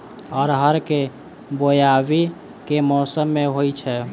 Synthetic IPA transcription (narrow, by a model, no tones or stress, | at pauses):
ɔːɾɦəɾke | bojaʋi | kemɔːsəmːeɦojt͡ʃʰɛ